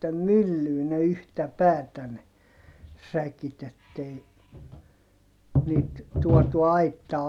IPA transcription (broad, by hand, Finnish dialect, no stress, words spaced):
mylːyː ne yhtæ pæːtæ ne sækit etːei niːt tuɔtu ɑitːɑː